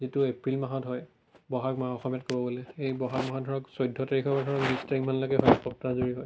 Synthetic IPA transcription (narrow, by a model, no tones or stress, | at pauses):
zituepɹilmaɦɔtɦɔj | bɔɦakmaɔxɔmjatkobɔbolɛejbɔɦakmaɦɔdʱɔɹɔksɔjdʱːɔteɹixɔbadʱɔɹɔknistɹiŋmanloɡɛɦɔjpɔp̚tazoɹiɦɔj